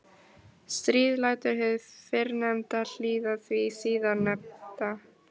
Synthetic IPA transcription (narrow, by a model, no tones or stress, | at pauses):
st̪ɾiːðlaːjt̪ʏɾ̥hɛðfɪɾnɛmt̪al̥iːðaθvisiːðanːɛpt̪a